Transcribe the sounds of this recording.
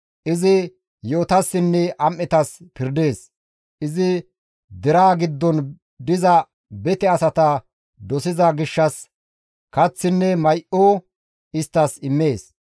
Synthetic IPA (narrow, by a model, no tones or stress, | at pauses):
ʔɪzɪ | jo̞ːt̪ɐsːɪnːɛʔɐmʔːɛt̪ɐspɪɾd̪e̞ːs | ʔɪzɪ | d̪ɛɾaːɡɪd̪ːɔn | d̪ɪzɐ | bɛt̪ɛɐsɐt̪ɐ | d̪ɔsɪzɐɡɪʃːɐs | kɐt͡sːɪnːɛmɐjʔoː | ɪst̪ːɐsɪmːe̞ːs